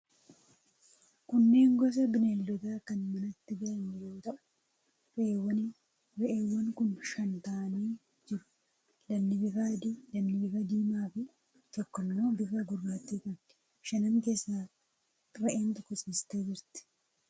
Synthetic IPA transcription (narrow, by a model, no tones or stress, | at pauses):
kʊnːe̞ːŋɡɔs̬ɐbɪnelːɔt̪aːkɐnmɐnɐt̪ːɪɡɐlɐnːɪjoːt̪ɐʔʊ̥ | ɾewɐn | ɾɛʔeːwːɐŋkʊnʃɐnt̪aːniː | d͡ʒɪɾʊ̥ | lɐnːɪbɪfaːd̪ilɐnːɪbɪfɐd̪iːmaːfɪ | t̪ɔkːɐmːo̞ːbɪfɐɡʊrːaːt̪ːiːkɐn | ʃɐnɐŋke̞ːsːaː | ɾɐʔeːnt̪ɔkːɔsʼiːst̪eːd͡ʒɪɾt̪ɪ̥